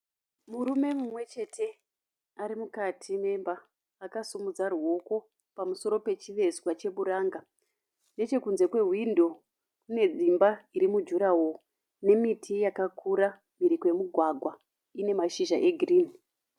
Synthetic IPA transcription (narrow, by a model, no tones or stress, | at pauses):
muɾume̞mumwe̞t͡ʃe̞tʰe̞ | aɾimukatʰime̞mbaː | kasumud͡zarwo̞ko̞ | pamuso̞ɾo̞pe̞t͡ʃiʋe̞zwat͡ʃe̞ɓuɾaŋɡa | ne̞t͡ʃe̞kunze̞kwe̞ɦwindo̞ | kune̞d͡zimbaiɾimud͡ʒuɾawo | ne̞mitʰijakakʰuɾa | miɾikojemuɡʱwaɡʱwa | ine̞maʃiʒaʔe̞ɡʱiriːni